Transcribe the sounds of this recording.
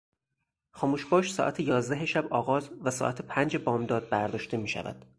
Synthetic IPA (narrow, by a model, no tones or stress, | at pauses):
xɒːmuːʃbɒːʃsɒ̰ːʔæt̪ʰejɒːzd̪æɦeʃæbɒːɣɒːzvæsɒ̰ːʔæt̪ʰepʰænd͡ʒebɒːmd̪ɒːd̪̚bæɾd̪ɒːʃt̪e̞miːʃæ̰væ̰d̪̥